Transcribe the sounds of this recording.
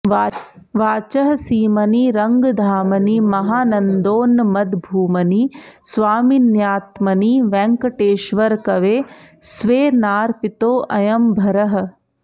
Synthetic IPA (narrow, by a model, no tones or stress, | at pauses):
ʋaːt͡ʃɐɦɐsiːmɐniɾɐŋɡd̪ʱaːmɐnimɐɦaːnɐnd̪oːnːmɐd̪bʱuːmɐnisʋaːminjaːt̪mɐniʋɛ̃ːŋkɐʈeːʃʋɐɾkɐʋeːsʋeːnaːɾpit̪oːʔɐjɐmbʱɐɾɐɦɐ̆